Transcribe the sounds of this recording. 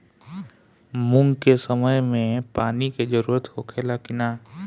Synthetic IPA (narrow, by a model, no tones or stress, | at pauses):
mʊ̃ŋɡkesəməjmẽpaːniked͡ʒəɾuːɾət̪kokʰeːlakɪnaː